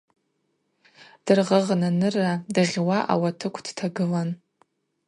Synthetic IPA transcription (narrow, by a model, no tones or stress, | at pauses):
d̥ɨrʁəʁnanɨrːadaʁʲwaʔa̰watʰɨkʷʰd̥tʰaɡɨlan